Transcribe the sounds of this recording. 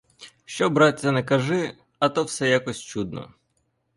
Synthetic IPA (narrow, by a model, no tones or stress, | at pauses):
ʃt͡ʃɔbɾɑtʲːɐnɛkɐʒɪ | ɐt̪ɔwsɛjakɔsʲt͡ʃud̪nɔ̰